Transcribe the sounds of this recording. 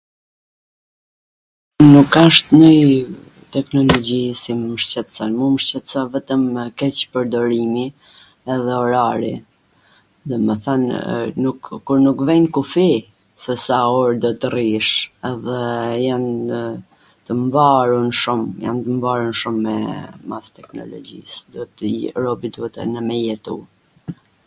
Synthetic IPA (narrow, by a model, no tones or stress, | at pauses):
nukaʃt̪nəj | t̪ɛknɔlɔɟisiməʃt͡ɕɛt̪salmuməʃt͡ɕɛt̪savɛt̪əmkɛt͡ɕpəɾd̪ɔɾimi | ɛðɛɔɾaɾḭ | d̪ɔməθannukːuɾnukvɛnkufi | sɛsaɔɾd̪ɔt̪əriʃɛðɛjan | t̪əmvaɾunʃumja̰nt̪əmvaɾunʃumːɛmast̪ɛknɔ̰lɔ̰d͡ʑḭsd̪uɛt̪ɾɔbid̪uɛt̪ɛ̰nəmɛjɛt̪u